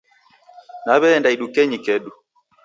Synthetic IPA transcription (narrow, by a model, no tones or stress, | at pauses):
naβɛːndaiɗukɛɲikɛɗu